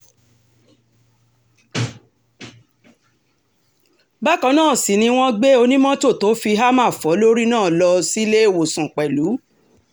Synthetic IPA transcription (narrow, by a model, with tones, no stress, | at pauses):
ba˦kɔ̃˧˦nãː˦˨si˨nĩ˧w̃ɔ̃˦ɡ͡be˦o˧nĩ˦mɔ̃˦to˦˨to˨˦fi˧ɦa˦mã˦˨fɔ˨˦lo˦ɾi˦nãː˦˨lɔ˧si˦le˦e˦˨wo˨sã˨k͡pɛ˨lu˨˦